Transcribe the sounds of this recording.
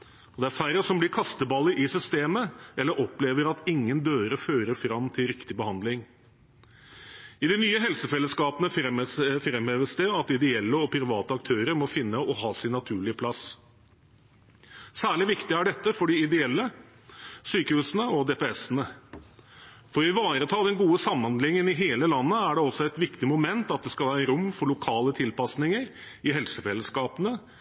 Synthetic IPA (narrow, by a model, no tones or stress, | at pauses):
ɔd̪ɛæɾfæɾəsɔmblɪɾkʰɑst̪əbɑlːɪʔɪsʏst̪eːməɛlːəɾʔɔpleːʋəɾɑt̪ɪŋːənd̪øːɾəføːɾəɾfɾɑmt̪ʰɪlɾɪkt̪ɪbəhɑnd̪lɪŋ | ɪd̪ɛnyːəɦɛlsəfɛlːəskɑːpənəɛfɾɛmheːʋəsd̪ɛɑt̪ɪd̪ɛɛlːəɔpʰɾɪʋɑːt̪əɑk̚t̪ʰøːɾəɾmɔfɪnːəʔɔɦɑːsɪnːɑt̪ʰʉːɭɪəpʰlɑs | sæːɭɪʋɪkt̪ɪæɖɛt̪ːəfɔɖɪɪd̪ɛɛlːə | syːkəhʉːsənəɔd̪eːpɛɛsənə | fɔɾɪʋɑːɾət̪ʰɑːd̪ɛnɡuːəsɑmːənlɪŋːənɪɦeːləlɑnːəæɖɛɔsːɔɛɪt̪ʋɪkt̪ɪmʊmɛnt̪ɑt̪̚d̪ɛskɑlʋæːɾɾʊmfɔɭʊkʰɑːlət̪ʰɪlpɑsnɪŋəɾ | ɪɦɛlsəfɛlːəskɑːpənə